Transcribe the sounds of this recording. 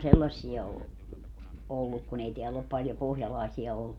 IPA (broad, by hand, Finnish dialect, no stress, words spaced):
selːɑsːiɑ o olːuk kun ei teælː op pɑljo pohjɑlɑˑesiɑ olːu